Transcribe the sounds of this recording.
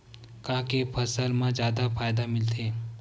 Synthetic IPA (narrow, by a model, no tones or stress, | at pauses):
kãːkepʰɐsəlmãd͡ʒjaːd̪afʰaːjd̪amɪlt̪ʰeː